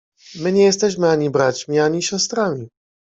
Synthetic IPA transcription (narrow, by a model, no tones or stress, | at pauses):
mɘɲɛjɛst̪ɛɕmɘaɲibɾat͡ɕmʲiaɲiɕɔst̪ɾamʲi